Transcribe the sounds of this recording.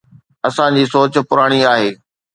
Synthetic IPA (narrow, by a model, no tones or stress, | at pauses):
ɐsãd͡ʑiːsoːt͡ɕ̆pʊɾaːɽ̃iaːɦeː